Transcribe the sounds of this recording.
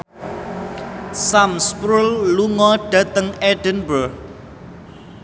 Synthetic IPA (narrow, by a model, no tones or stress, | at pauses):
samspɾulːuŋɔɖ̥ä̤t̪əŋɛɖ̥ənbər